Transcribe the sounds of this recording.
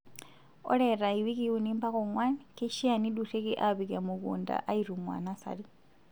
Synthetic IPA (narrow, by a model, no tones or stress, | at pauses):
o̰leɾaiwikiwunimbakoŋwanikiʃianidutekiʔaβikamukṵːnda̰ʔaiɾumwa̰nasa̰li